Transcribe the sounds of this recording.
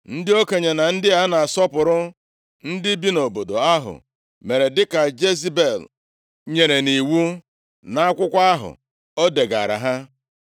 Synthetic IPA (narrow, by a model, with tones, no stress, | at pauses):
n̩˦dɪ˦o˦ke˨ɲe˨na˨n̩˦dɪ˦a˦na˨a˨sɔ˦pʊ˨ɾʊ˦ | n̩˦dɪ˦bi˦no˨bo˨do̰˨a˦ɦʊ̰˨ | me˨ɾe˨dɪ˦ka˨d͡ʒe˦zi˦be˨l | ɲe˨ɾe˨ni˨wu˦ | na˨˦a˦kʷʊ˦kʷa˦a˦ɦʊ̰˨ | o˦de˨ɡa̰˨ɾa̰˨ɦa˦